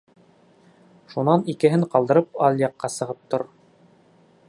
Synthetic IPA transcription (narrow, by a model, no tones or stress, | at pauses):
ʃunɑnikɘ̆ɦɘɴqɑlˠd̪ɤ̆ɾɤpɑlˠjɑqːɑsɤ̆ʁɤp̚t̪oɾ